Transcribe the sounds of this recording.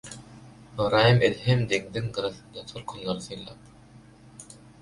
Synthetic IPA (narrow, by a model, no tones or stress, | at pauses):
ɯɾɑːjɯmʔelɦemd̪eŋd̪iŋɡɯɾɯθɯnd̪ɑt̪ʰolkʰunlˠɑɾɯθɯjlˠɑ̰ːp̚